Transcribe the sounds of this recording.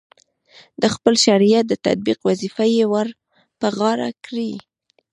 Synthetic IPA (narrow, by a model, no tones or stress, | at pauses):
d̪əxpəlʃaɾijat̪̚d̪ət̪a̰d̪̚biqwazifajewaɾ | pəɣɑɾa̰kɾi